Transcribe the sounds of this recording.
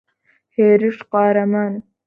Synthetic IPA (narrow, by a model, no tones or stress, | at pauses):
heːɾɨʃqɑːɾɐman